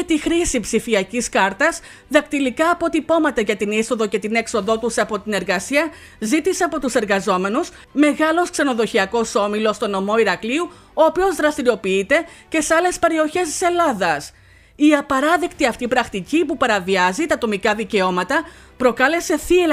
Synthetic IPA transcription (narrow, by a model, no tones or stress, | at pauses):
t̪ixɾisipsifiɐciskɐɾt̪ɐz | ðɐkt̪ilikɐːpo̞t̪ipo̞mɐt̪ɐʝɐt̪iniso̞ðo̞ce̞t̪ine̞kso̞ðo̞t̪usɐpo̞t̪ine̞ɾɣɐsiɐ | zit̪ise̞ɐpo̞t̪use̞ɾɣɐzo̞me̞nus | me̞ɣɐlo̞skse̞no̞ðo̞çiɐko̞so̞milo̞st̪o̞no̞mo̞iɾɐkliu | o̞ːpio̞zðɾɐst̪iɾio̞piit̪e̞ce̞seɐle̞spe̞ɾio̞çe̞st̪i̥se̞lɐðɐs | iɐpɐɾɐðe̞kt̪iɐft̪ipɾɐxt̪icipupɐɾɐviɐzit̪ɐt̪o̞mikɐðice̞o̞mɐt̪ɐ | pɾo̞kɐle̞se̞θie